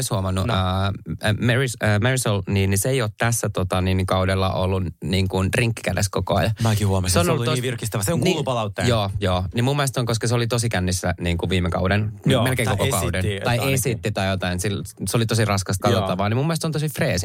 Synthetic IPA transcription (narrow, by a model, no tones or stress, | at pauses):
shuomɑnːuəː | merisəmerisolniːniseeijoːt̪t̪æsːæt̪ot̪ɑninkɑudelːɑ̰ʔolːunniːŋkunriŋkːi̥kædḛskokoɑ̰jɑmækihuomɑsseonolːut̪ːoʋirkist̪æʋæseoŋknuːlupɑlɑut̪ːejoːjoːnimumːelest̪oŋkoskɑseolit̪osikænːisːæniːŋkuʋiːmekɑ̰udenmelkeːŋkokokɑudent̪ɑiesit̪ːit̪ɑjjot̪ɑinsilseolit̪osirɑskɑst̪kɑot̪ːɑʋɑːnimumːest̪sont̪osifreːsi